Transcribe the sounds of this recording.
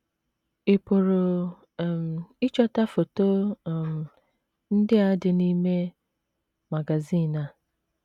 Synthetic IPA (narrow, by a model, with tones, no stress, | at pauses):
ɪ˨po˨ɾo˨ | ɪ˦t͡ʃɔ˦ta˦fo˨to˦˨m˨ | n̩˦dɪ˦a˦dɪ˨ni˦me˦ | ma˨ɡa˨ziː˦˨na˨